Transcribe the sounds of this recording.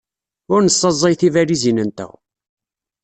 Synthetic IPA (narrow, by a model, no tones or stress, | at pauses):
ʊɾnəsˤːɑzˤːɑjθivælizinənt̪æ̰